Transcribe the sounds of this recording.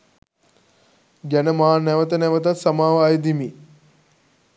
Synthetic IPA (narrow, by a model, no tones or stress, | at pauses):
ɡænəmaːnɛʋət̪ənɛʋət̪̬at̪samaːʋəajd̪imi